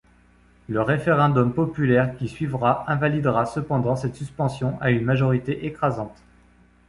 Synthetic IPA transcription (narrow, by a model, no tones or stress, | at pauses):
ləʁefeʁɛ̃d̪ɔmpɔpylɛʁkʲisɥivʁaʔɛ̃valid̪ʁasəpɑ̃d̪ɑ̃sɛt̪syspɑ̃sjɔ̃ʔaynmaʒɔʁit̪eʔekχazɑ̃t̪